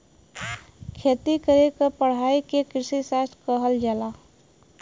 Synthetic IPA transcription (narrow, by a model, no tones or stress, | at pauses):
kʰet̪ikəɾekəpəɽ̤aːikekɾɪsisast̪kəɦəld͡ʒalaː